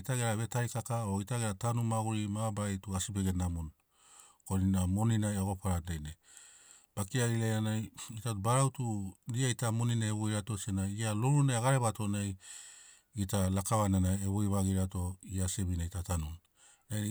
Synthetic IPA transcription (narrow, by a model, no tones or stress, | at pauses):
itaɡeɾaβe̞tajkakaoitaɡeɾatanumaɡuɾimabajtuasibe̞ɡe̞namon | koninamo̞ninajaɡopaɾanajna | b̥akiaɡilajɾanajitatubaɾawtuɾiaitamo̞ninaeβojɾato̞sienajialoɾunajaɡaɾe̞βato̞naj | ɡitalakaβananajeβojβaɡiɾato̞iase̞βinajtatanun | na